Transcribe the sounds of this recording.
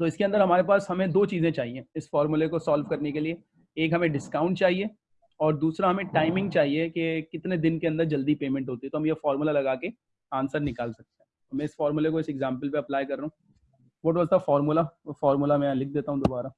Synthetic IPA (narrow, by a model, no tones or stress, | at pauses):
t̪oɪskeɐ̃nd̪əɾɦɐmaːɾepaːsɦɐmẽd̪oːt͡ʃiːzẽt͡ʃaːɦiẽːɪsfɔːɾmʊlekosaːlʋkɐɾnekelie | eːkɦɐmẽɖɪskaːʊ̃ɳʈ̚t͡ʃaːɦie | ɔːɾd̪uːsɾaɦɐmẽʈaːɪmɪ̃ŋɡ̚t͡ʃaːɦiekekɪt̪ned̪ɪnkeɐ̃nd̪əɾd͡ʒɐld̪ipeːmɛ̃ɳʈɦoːt̪iɛt̪oɦɐmjefɔːɾmʊlalɐɡaːke | ãːnsəɾnɪkaːlsɐk̚t̪eɦɛ̃ | ɔːmɛ̃ːɪsfɔːɾmʊlekoɪsɛɡzãːmpəlpeɐplaːjkɐɾːɐɦũ | boːʈʋɐzt̪afɔːɾmulafɔːɾmulamɛ̃lɪk̚ʰd̪eːt̪aɦũd̪oːbaːɾa